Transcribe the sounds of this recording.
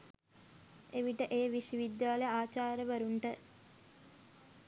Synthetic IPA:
eʋiʈəʔejːʋisiʋid̪jaːlejaːt͡ʃaːɾəʋəɾuɳʈə

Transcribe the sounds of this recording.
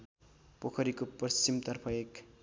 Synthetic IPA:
pokʰʌɾikopʌst͡ɕimt̪ʌrpʰʌek

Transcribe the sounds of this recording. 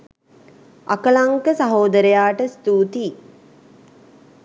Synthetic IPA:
ʔakəlaŋkəsaɦoːd̪əɾəjaːʈəst̪uːt̪iː

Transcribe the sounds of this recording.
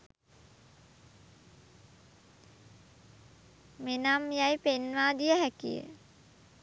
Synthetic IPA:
menamjajpenʋaːd̪ijəɦækḭjə̰

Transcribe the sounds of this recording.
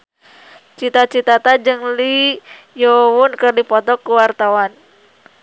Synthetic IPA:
t͡ʃit̪at͡ʃit̪at̪ad͡ʒɨŋli | jowunkɨrdipɔt̪ɔkːuwart̪awan

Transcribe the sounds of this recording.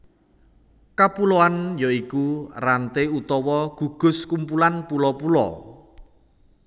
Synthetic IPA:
kapuloanjoikurant̪eut̪ɔwɔɡ̥ṳɡ̥ʊ̤skumpulanpulɔpulɔ̰

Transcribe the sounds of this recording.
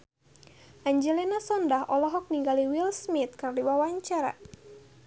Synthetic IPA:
ʔaɲd͡ʒɛlinasɔndaɦʔɔlɔɦɔk̚niŋɡaliwilsmit̪̚kərdiwawaɲt͡ʃaɾa̰

